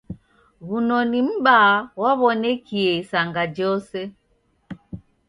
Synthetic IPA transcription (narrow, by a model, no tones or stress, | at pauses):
βunɔnim̩bawaβɔnɛkiɛisaŋɡad͡ʒɔsɛ